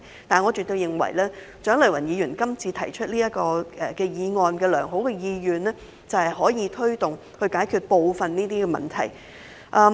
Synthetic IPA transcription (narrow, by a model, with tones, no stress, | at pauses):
t̪aː˨nŋɔː˨˧t͡ʃy˨t̪o˧jɪ˨ŋwɐ̰˨˩jlɛː˥ | t͡ʃœː˨˥ŋlɐ˨˩wɐ˨˩njiː˨˧jyː˨˩nkɐ˥mt͡sʰiː˧t̪ʰɐ˨˩jt͡ʃʰɵ˥t̚liː˥jɐ˥t̚kɔː˧ʔɛ˨˩kɛː˧jiː˨˧ŋɔː˨˧nkɛː˧lœ̰ː˨˩ŋɦo˨˥wkɛ˧jiː˧jyː˨nlɛː˥ | t͡sɐ˨whɐ˨jɦɔː˨˥jiː˨˧t̪ʰɵ˥ɥt̪ʊ˨ŋ | hɵ˧ɥkaː˨˥jkʰyː˨˧t̚po˨˧wfɐ˨nniː˥t̪iː˥kɛː˧mɐ̰˨nt̪ʰɐ̰˨˩j | ʔɐː˧